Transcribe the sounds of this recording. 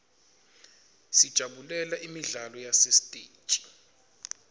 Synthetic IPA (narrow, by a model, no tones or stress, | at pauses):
sid̥ʒ̥ʱaɓulɛlaʔimiɮalɔjasestʼe̥ːt͡ʃʼi̥